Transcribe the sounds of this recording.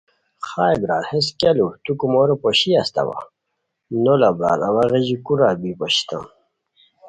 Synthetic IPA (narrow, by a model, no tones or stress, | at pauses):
χaːjbɾaːlhes̬kalut̪ukumoɾopoɕiast̪a̰wa̰ | nolabɾa̰ːlawaɣeʑikuɾaːlbipoɕi̥t̪a̰m